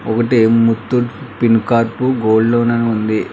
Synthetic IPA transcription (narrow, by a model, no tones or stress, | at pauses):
ɔkɐʈemut̪ːuʈpinkaːɾpuɡoːɖloːnɐnuund̪i